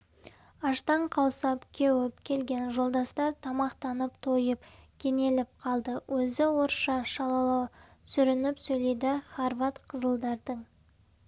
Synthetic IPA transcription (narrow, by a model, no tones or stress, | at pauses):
ɑʃt̪ɑɴqʰɑwsɑpkʲʰewɪpkʲʰe̞lɡʲe̞nʒo̞lˠd̪ɑst̪ɑɾt̪ʰɑmɑqt̪ɑnəpt̪ʰo̞jəpkʲʰe̞ŋe̞lɪpqʰɑlˠd̪əwʔɵzɪwoɾʃɑʃɑlˠɑlˠɑwsʏɾɪnɪpsɵjle̞jd̪ɪχaɾvɑt̪qʰəzəlˠd̪ɑɾd̪əɴ